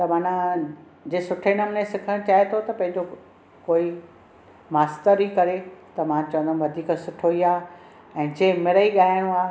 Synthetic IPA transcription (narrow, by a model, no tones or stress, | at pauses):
t̪ɐmaːnã | d͡ʑeːsʊʈʰenəmnẽsɪkʰəɽ̃t͡ɕaːet̪ʰot̪ɐpɐ̃ɦɪ̃ɲd͡ʑo | koːi | maːst̪əɾikɐɾet̪ɐmãt͡ɕɐʋə̃nd̪ʱənʋɐd̪ʱiːksʊʈʰoːiaː | ɛ̃ːd͡ʑeːmɪɾəiɠaːjɽ̃ũaː